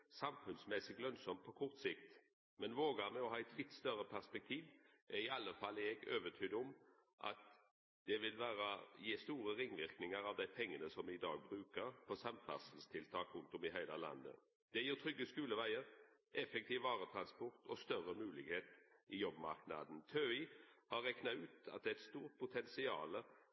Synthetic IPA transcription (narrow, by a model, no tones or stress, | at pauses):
sɑmfʉnsmɛsɪɡlœnsɔmt̪pʰɔkʰɔɾt̪sɪkt̪ | mɛnʋoːɡəmɛɔhɑːɛɪt̪ʰlɪt̪ːst̪œɾəpʰæʁspɛk̚t̪ʰiːʋ | ɛɪɑlːəfɑlɛɡøːʋət̪ʰyːd̪ɔm | ʔɑ̰t̪ | d̪̥ɛʋɪlʋæːɾəjiːst̪uːɾəʁɪŋʋɪʁknɪŋəɾɑʋd̪æɪpʰɛŋːənəsɔmɪɪd̪ɑ̰ːɡ̚bɾʉːkəɾpʰɔsɑmfæ̰sn̩st̪ʰɪlt̪ʰɑːkɾʉnt̪ɔmɪɦæɪləlɑ̰nd̪ə̰ | d̪̥ɛjiːt̪ʰɾʏɡːəskʉːləʋæɪəɾʔɛfɛk̚t̪ʰiːʋʋɑːɾət̪ʰɾɑnspɔʁt̪ʰɔst̪œɾəmʉːlɪɡheːt̪ɪjɔbːmɑ̰ɾknɑ̰d̪n̩t̪ʰøɪhɑʁɛknɑʉːt̪ɑ̰t̪̚d̪ɛɛt̪st̪uːʁt̪̚pʰʊt̪ʰɛnsɪɑ̰ːlə